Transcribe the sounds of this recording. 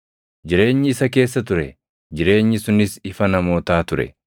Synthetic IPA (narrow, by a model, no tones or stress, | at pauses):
d͡ʒɪɾe̞ːɲːɪɪsɐke̞ːsːɐt̪ʊɾɛ | d͡ʒɪɾe̞ːɲːɪsʊnɪsɪfɐnɐmo̞ːt̪aːt̪ʊɾɛ̰